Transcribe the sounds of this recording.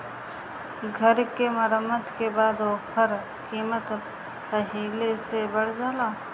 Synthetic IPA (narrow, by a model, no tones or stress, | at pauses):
ɡʱəɾkeməɾəmːəd̪kebaːd̪oːpʰəɾ | kiːmət̪ | pəɦiːlesebəɽd͡ʒaːlaː